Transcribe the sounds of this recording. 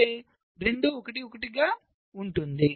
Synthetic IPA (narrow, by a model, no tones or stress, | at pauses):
eː | ɾe̞ɳd̪uɔkɐʈiokɐʈiɡaː | uɳʈund̪i